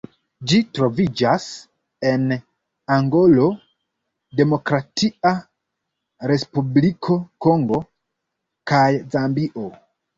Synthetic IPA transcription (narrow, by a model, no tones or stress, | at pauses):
d͡ʒitɾo̞vid͡ʒas | e̞n | aŋɡo̞lo̞ | de̞mo̞kɾatʰia | ɾe̞spublikʰo̞ko̞ŋɡo̞ | kajzambiʔo̞